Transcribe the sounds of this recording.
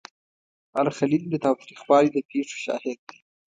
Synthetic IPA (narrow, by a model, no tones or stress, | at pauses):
alxalild̪ət̪ɑwt̪ɾixwɑlid̪əpʰeʂo̥ʃɑ̰ːhɪd̪̚ːi̥